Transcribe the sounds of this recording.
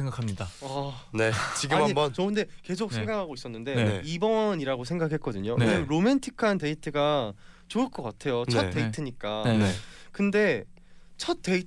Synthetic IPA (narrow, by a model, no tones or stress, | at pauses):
eŋɡakʰamɲidaʌne̞t͡ɕiɡɯamhaɲimbʌnt͡ɕʌɯnde̞ke̞s̬ʰok̚sʰeŋɡakʰaɡois͈ʌnːɯnde̞ibʌɲiɾaɡosʰe̞ŋɡakʰe̞t̚k͈ʌdɯɲoʔɾomentʰikʰante̞itʰɯɡa | t͡ɕoɯɭk͈ʌk͈atʰe̞jont͡ɕʰʌt͈e̞itʰɯɲik͈akɯnde̞ | t͡ɕʰʌt̚t͈e̞i